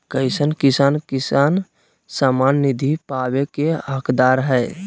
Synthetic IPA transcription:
kəɪsənkisaːnkisan | samanːid̪ʱipabekeɦəkʰd̪aɾɦɛɪ

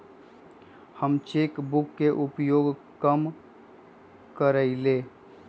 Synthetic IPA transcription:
həmt͡ʃekbʊkːeʔʊpjoːɡ | kəm | kəɾəɪleː

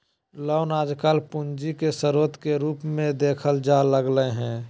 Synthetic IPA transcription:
lɔʊnaːd͡ʒkaːlpʊnd͡ʒikesəɾoːt̪keɾuːpmẽd̪eːkʰəld͡ʒaːləɡləɦɛ̃ː

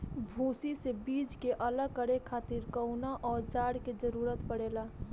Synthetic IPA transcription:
bʱũːsisebiːd͡ʒkeʔələɡ̚kəɽekʰaːt̪iɾkəʊnaʔɔːɾd͡ʒaːɽked͡ʒəɾuːɾət̪pəɽeːlaː

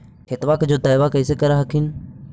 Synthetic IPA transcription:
kʰɪt̪ʋaːkd͡ʑoːt̪aːɪʋakɐɪsekɐɾaɦɐkʰɪnɪ

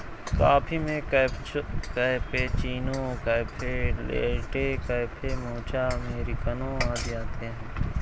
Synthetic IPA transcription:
kaːpʰimẽk | kəpet͡ʃiːnõːkɐpʰelḛːʈekəpʰemoːt͡ʃaːmeːɾikənõaːd̪jaːt̪eɦɛ̃

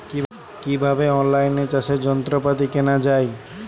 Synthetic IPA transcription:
ki | kibʱabeɔnlajnet͡ʃased͡ʒɔnt̪ɾopat̪̬ikenad͡ʒaj

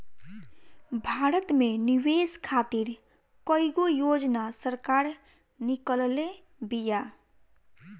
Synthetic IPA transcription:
bʱaːɾət̪meniweskʰat̪iɾ | kəiɡojod͡ʒnasəɾkaɾ | nikəlle | bija

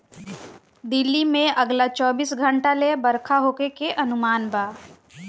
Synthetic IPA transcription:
d̪ɪlːimẽɐɡlat͡ʃɔːbiːsɡʱə̃ɳʈalebɐɾkʰaɦoːkekeʔɐnʊmaːnbaː

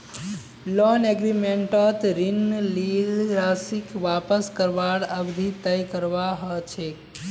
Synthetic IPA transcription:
lɔneɡɾimeɳʈət̪ɾinlilɾasikʋapəskəɾʋaɽəbd̪ʱit̪əjkəɾʋaɦɔt͡ʃʰe

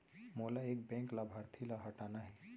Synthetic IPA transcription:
moːlaeːk̚bɛ̃ːŋklabʱaɾt̪ʰilaɦəʈaːnaɦɛː

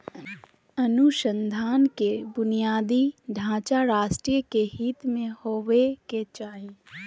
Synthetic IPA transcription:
ɐnuʃə̃nd̪ʱaːnkebʊnijaːd̪iɖʱãːt͡ʃaɾaːʃʈɾiːjəkeɦiːt̪mẽhoːʋeket͡ʃaːɦi

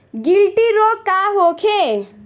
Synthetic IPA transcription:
ɡilʈ̪iɾoːkkːaːɦoːkʰe

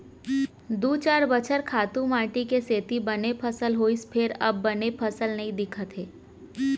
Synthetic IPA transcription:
d̪uːt͡ʃaːɾbət͡ʃʰəɾkʰaːt̪ũmãːʈikeseːt̪ibɐnepʰəsəlɦoːispʰɪɾɐ̰bːɐnepʰəsəlnɐɦĩd̪ɪkʰət̪ɦeː

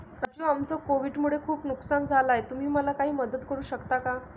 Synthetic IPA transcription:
kad͡ʑuamt͡sɔkoʋiɖmuɭekʰuːpnuksand͡zʱalajt̪um̤iːməlakaɦiːməd̪ət̪kəɾuːɕəkt̪aka

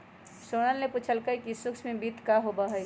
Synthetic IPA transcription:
soːnəlnepuːt͡ʃʰəlkəikisʊksmẽbiːt̪kaɦobaɦɛj

